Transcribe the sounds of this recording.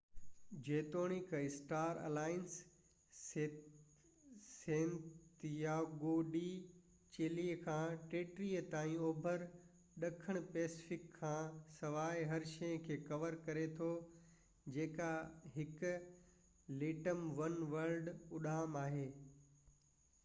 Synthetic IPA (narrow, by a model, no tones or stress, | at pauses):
d͡ʑeːt̪oːɽ̃ɪkɪsʈaːɾɐ̰laːɪns | sẽːnt̪jaɡoːɗi | t͡ɕeːliːkʰãːʈeːʈɾiːət̪aːĩoːbʱəɾ | ɗɐkʰəɽ̃ʊpɛːsɪfɪkʰːãːsɐʋaːɪɦɐɾʃɐjə̃kʰeːkɐʋəɾkɐɾet̪ʰo | d͡ʑeːkaɦɪk | leːʈəmʋɐnʋəlɖʊɗaːmaːɦeː